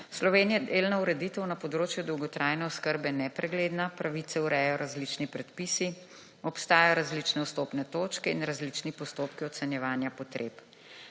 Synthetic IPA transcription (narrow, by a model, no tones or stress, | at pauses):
slɔʋeːnijɛd̪elnauɾɛd̪it̪ɛwnɐpɔd̪ɾoːt͡ʃjud̪ɔwɡɔt̪ɾʔaːjnɛɔskəɾbɛnɛpɾɛɡleːd̪napɾaʋit̪sɛuɾɛjɔɾazlit͡ʃnipɾɛt̪pisi | ɔpst̪aːjaɔɾazlit͡ʃnɛust̪oːpnɛt̪oːt͡ʃkɛḭnɾazlit͡ʃnipɔst̪oːpkiɔt̪sɛnjɛʋaːnjapɔt̪ɾʔeːp